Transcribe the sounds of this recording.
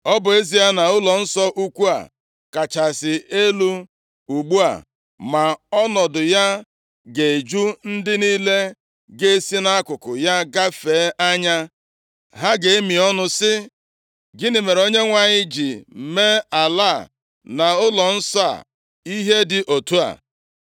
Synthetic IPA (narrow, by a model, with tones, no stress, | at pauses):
ɔ˦bʊ˨e˦zi˨ja˦na˨ʊ˦lɔ˨n̩˦sɔ˦ʔu˦kʷu˦a̰˨ | ka˨t͡ʃa˨sɪ˨e˦lu˦ | u˨ɡ͡bu˦a̰˨ | ma˨ɔ˦nɔ˨dʊ˨ja˦ | ɡe˨e˨d͡ʒu˦n̩˦dɪ˦niː˦le˦ | ɡe˦e˦si˦na˦a˦kʷʊ˨kʊ˨ja˦ɡa˦fe˨˦ʔa˦ɲa˦ | ɦa˦ɡe˨e˦mi˨ɔ˦nʊ˦sɪ˦ | ɡɪ˦nɪ˨me˨ɾo˦ɲe˦ŋʷa˨ɲɪ˦d͡ʒi˨me˦a˨la˦˨ | na˨ʊ˦lɔ˨n̩˦sa̰˦˨ | i˦ɦe˦dɪ˨ʔo˨tu˦a̰˨